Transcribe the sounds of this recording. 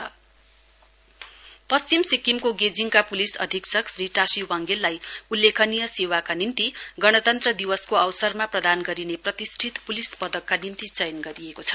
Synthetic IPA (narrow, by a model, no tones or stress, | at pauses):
ʌ | pʌst͡simsikːimkoɡed͡ziŋkapulisʌ̰d̪ʱiksʌksriʈasiwaŋɡelːajulːekʰʌnijʌsewakanimt̪iɡʌɽ̃ʌt̪ʌnt̪rʌd̪iwʌskoʌwsʌrmaprʌd̪anɡʌɾineprʌt̪isʈʰit̪pulispʌd̪ʌkːanimt̪it͡sʌjnɡʌɾijekot͡sʰʌ̥